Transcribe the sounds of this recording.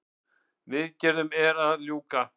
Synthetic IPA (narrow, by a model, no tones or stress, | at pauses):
vɪðcɛɾðʏmɛɾaðljuːka